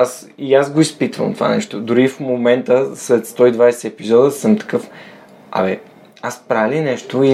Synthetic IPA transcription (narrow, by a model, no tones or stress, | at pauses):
as | iazɡoispit̪və̰lmt̪ova̰nɛ̰ʃt̪od̪ʊɾifmomɛnt̪əslɛt̪st̪ɔid̪vajsɛɛpizɔd̪əsɤmt̪ɐ̥kɤf | ɐ̰mɛ | aspɾalinɛʃt̪oi